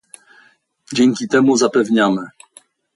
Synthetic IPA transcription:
d͡ʑɛŋʲkʲit̪ɛmuzapɛvɲamɘ

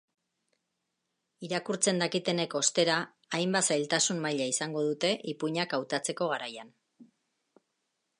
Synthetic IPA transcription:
iɾakuɾt͡se̞nd̪akit̪e̞ne̞ko̞st̪e̞ɾaː | jmbasajlt̪asummajʎaisaŋɡo̞ð̞ut̪e̞ʔipuɲakawt̪at͡se̞ko̞ɣ̞aɾajan

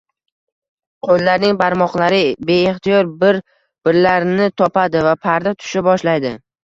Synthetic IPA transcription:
qʰolːaɾnɪŋbaɾmɒqlˠaɾɪbe̞eχt̪ʰɪjɒɾbɪɾ | b̥ɪɾlaɾnɪt̪ʰɒpad̪ɪvapʰaɾd̪at̪ʰʊ̥ʃɪbɒʃlajd̪ɪ

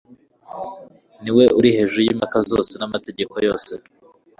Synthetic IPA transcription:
niwe̞ʔuɾihe̞ːʒujimakazo̰ːse̞namate̞ɟe̞ko̞jo̞ːse̞

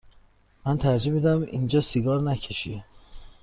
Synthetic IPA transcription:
mænt̪ʰæɾd͡ʒimid̪æmʔḭnd͡ʒɒːsiɡɒːɾnæcʰeʃi

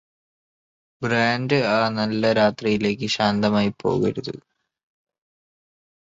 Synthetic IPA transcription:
braːndɨaːnɐlːɐɾaːt̪rijile̞ːk̬ʲːɨɕaːnd̪ɐmaːjipʰːo̞̰ːɣɐ̰ɾuðṵ

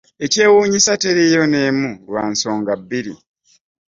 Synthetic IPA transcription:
e̞ce̞ːwuːɲisateɾijo̞ne̞ːmulwaːnso̞ːŋɡabːiɾi

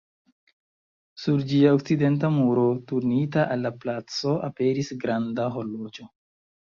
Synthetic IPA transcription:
suɾd͡ʒiaok̚t͡side̞nt̬amuɾo̞tuɾnitaʔalːaplat͡so̞a̰pe̞ɾisɡɾandaɦo̞lːod͡ʒo̞

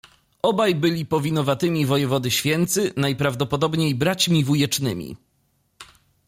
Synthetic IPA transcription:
ʔɔbajbɘlʲipɔvʲinɔvat̪ɘmʲivɔjɛvɔd̪ɘɕfʲjɛnt̪sɘnajpɾavd̪ɔpɔd̪ɔbɲejbɾat͡ɕmʲivujɛt͡ʂnɘ̰mʲḭ

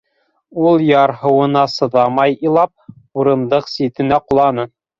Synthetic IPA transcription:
ulˠjɑɾɦɤ̆wɤ̆nɑsɤ̆ðɑmɑjilˠɑp̚ | uɾɤ̆nd̪ɤqsit̪ɘ̆næqulˠɑnɤ

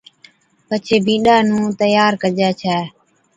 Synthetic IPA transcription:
pət͡ʃʰeːbĩːɗaːnũːt̪əjaːɾkəd͡ʒaːt͡ʃʰɛː

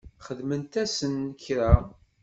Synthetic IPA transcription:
χəðmənt̪æsənːəçɾa

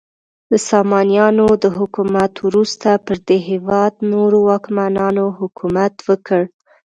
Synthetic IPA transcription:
d̪əsɑmɑnjɑnod̪əɦʊkumat̪wɾust̪apəɾd̪eɦewɑd̪noɾowɑkmanɑnoɦʊkumat̪wəkəɽ

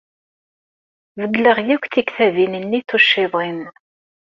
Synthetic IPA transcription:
vəɡləʁjækʷθikθævinənːiθuʃːɪðˤɪn

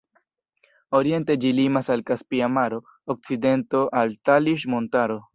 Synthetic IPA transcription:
o̞ɾie̞nte̞d͡ʒilimasalkaspiamaɾo̞ː | k̚t͡side̞nto̞ʔaltaliʃ̬mo̞ntaɾo̞

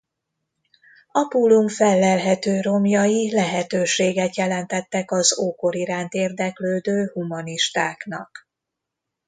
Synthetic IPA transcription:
ɒpulumfɛlːɛlɦɛt̪øːro̞mjɒjilɛɦɛt̪øːʃeːɡɛt̪jɛlɛnt̪ɛt̪ːɛkɒzoːko̞ɾiɾaːnt̪eːrd̪ɛkløːd̪øːhumɒniʃt̪aːknɒ̰k

